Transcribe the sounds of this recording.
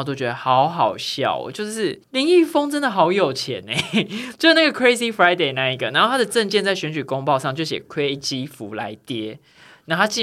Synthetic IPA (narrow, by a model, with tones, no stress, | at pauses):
t̪o˥t͡ɕɥɛ˧˦d̪ə˨hɑ˨˦ʊxɑ˨˩ʊɕjɑ̰˨˩ʊ̰˩t͡ɕjo˥˧ʊʂɻ̩˥˩li˧˥ŋi˥˩fo˥ŋʈ͡ʂə˥nd̪ə˨xɑ˨˥ʊjo˨˩ʊt͡ɕʰjɛ̰˨˦ne˧˩t͡ɕjo˥˧ʊʂ̩˥˧na˥˩ɡə˩kʰwe˦˥ɪsi˦fɹa˦ɪd̪e˥˧ɪna˥˩i˧˥ɡə˩na˨˦nxo˥˩t̪ʰa˥d̪ə˨ʈ͡ʂə˥˧nt͡ɕjɛ˥˧nt͡sa˥˩ɪɕɥɛ˧˥nt͡ɕy˨˩ko˥˦ŋpɑ˥˧ʊʂɑ˥˧ŋt͡ɕjo˥˩ʊɕjɛ̰˨˩kʰwe˦˥t͡ɕi˦fu˨˦la̰˧˦ɪt̪jɛ˦˥ | na˥˩t̪ʰa˥t͡ɕi˥˩